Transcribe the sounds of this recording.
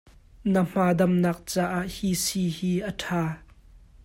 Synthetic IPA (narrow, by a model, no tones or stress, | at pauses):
nəm̥aːdɐmnaːk̚t͡saːʔaʔhisiːhiːʔətʰaː